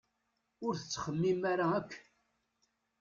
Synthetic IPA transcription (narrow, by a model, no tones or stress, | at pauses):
ʊɾθə̥t͡sːχəmːimaɾaækʰː